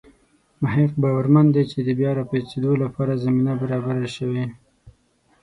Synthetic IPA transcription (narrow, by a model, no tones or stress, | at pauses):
maheq̚bɑwaɾmand̪et͡ʃed̪əbjɑɾɑpet͡ʃed̪olapʰɑɾazaminabaɾɑbaɾaʃəwe